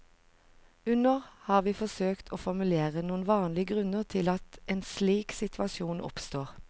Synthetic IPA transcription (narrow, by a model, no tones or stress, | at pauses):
ʉnəʁhɑːʁʋiːfɔsøːkt̪ʰoːfɔʁmʉleːʁənuːnʋɑːnlɪəɡʁʉnəʁt̪ʰɪlɑt̪eːnsliːksɪt̪ʰʋɑsjuːnʔɔ̰pst̪oːʁ